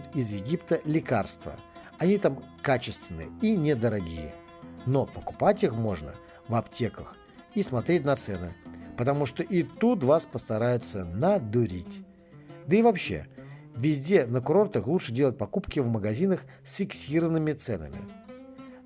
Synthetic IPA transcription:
t̪izjɪɡʲipt̪əlʲɪkarst̪və̰ | ɐnʲit̪amkat͡ɕɪst̪vʲɪnːɨ̰inʲɪd̪əɾɐɡʲḭjɪ̰ | no̞pəkʊ̥patʲixmo̞ʐnə̰ | vɐptʲe̞kəx | ismɐt̪ɾʲetʲnɐt̪sɛnɨ̰pət̪ɐmuʂt̪oʔit̪ut̪̬vaspəst̪ɐɾajʊt̪sənəd̪ʊɾʲitʲ | d̪əivɐpɕːḛ | vʲɪzʲdʲe̞nəkʊɾo̞rt̪əxlˠutʂɨdʲelˠət̚ʲpɐkupkʲɪvməɡɐzʲinəx | sʲfʲɪksʲiɾəvənːɨmʲɪt̪sɛ̰nə̰mʲɪ̰

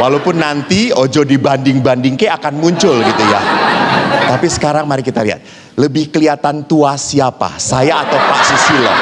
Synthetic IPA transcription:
walawpʊnːant̪iod͡ʒɔdibandɪŋbandɪŋkeakanmuɲt͡ʃʊlɡit̪uja | t̪apisə̥kaɾaŋmaɾikit̪aliɦa̰t̪̚ | ləbɪhkəliat̪ant̪uasiapa̰sajaːt̪awpa̰ʔsisilɔ̰

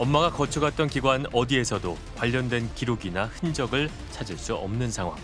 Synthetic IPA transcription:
ʌmmaɡakʌt͡ɕʰuɡat̚t͈ʌnkiɡwanʌdie̞sʰʌdo | kwaʎːʌndwe̞nkiɾoɡinahɯnd͡ʑʌɡɯɭ | t͡ɕʰad͡ʑiɭs͈uʌ̰mnɯnsʰaŋɦwa̰ŋ

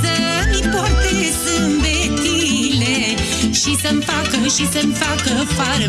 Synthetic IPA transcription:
sɐ | nipɔɾt̪esɨũmbe | t̪ile | ʃisɐmfakɐʃisɐmfakɐfaɾ

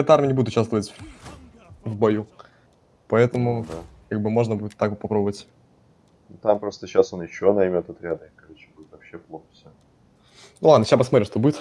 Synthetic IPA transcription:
ɛt̪əarmʲɪənʲɪbudɪt̪ʊ̥t͡ɕʲast̪vəvətʲ | vbɐju | pɐɛt̪əmʊd̪akaɡ̚bɨmo̞ʐnəbudʲɪt̪ːakpɐpɾobəvət̪ʲ | t̪ampɾo̞st̪əɕasonjɪɕːo̞nɐjmʲo̞t̪ɐt̪ɾʲad̪əkɐlʲit͡ɕɪ̥budʲɪt̪vɐpɕːeplˠoxəfsʲa | nulˠad̪nəɕapəsmɐt̪ɾʲimʂt̪obudɪt̪

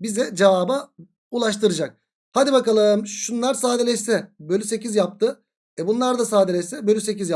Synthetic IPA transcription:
bizd̪ɛd͡ʒevaːba | ulˠaʃt̪ʰɯɾɯd͡ʒak̚ | had̪ibakalˠɯɯmʃunlˠaɾsaːd̪elʲɛt͡ʃsɛbølʲyse̞cizjap̚t̪ɯ | ɛbunlˠaɾd̪asaːd̪elʲɛsɛbølʲyse̞cizja

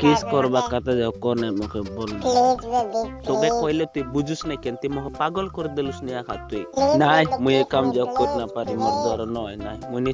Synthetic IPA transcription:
kiskɔɾbakat̪ad͡ʒakɔnamukʰebɔlna | t̪ɔkekɔɦilet̪uibud͡ʒusnakɛnt̪imɔkʰɛpaɡɔlkɔɾid̪ilusnijakʰat̪uinajmujekamd͡ʒawkotnapaɾimɔɾd̪ɔɾɔnɔjnaimuni

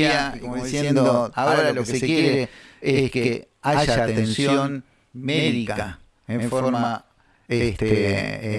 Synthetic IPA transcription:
akomoðiðisjend̪ooaeɾoloekeksekjejɾeeske | aʒʒaat̪eẽnsjoom | meðikaa | eɱfooɾma | est̪e

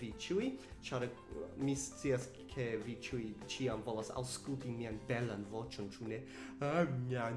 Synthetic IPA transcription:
vit͡ʃujt͡ʃaɾ | mist͡sias | kʰevit͡ʃujt͡ʃiamvolasa̰wskultimianbelanvo̞t͡ʃont͡ʃune | amia

